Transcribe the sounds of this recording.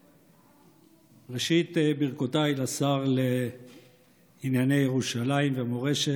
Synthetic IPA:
ʁeʃit̪biʁkotailasaʁle | injane̞jeʁuʃalaimvemoʁeʃe

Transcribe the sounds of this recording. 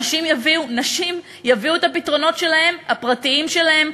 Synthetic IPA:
ʃimjaviunaʃim | javiuet̪apitʁo̞no̞tʃe̞lahe̞mhapʁatiimʃe̞lahe̞m

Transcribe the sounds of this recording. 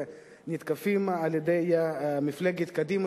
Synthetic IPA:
nit̪kafimaaljed̪ejamɪflaɡet̪kad̪ima

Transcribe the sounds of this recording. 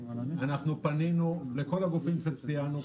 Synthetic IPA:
anaχnupaninuleko̞laɡufimʃelt͡sijanu

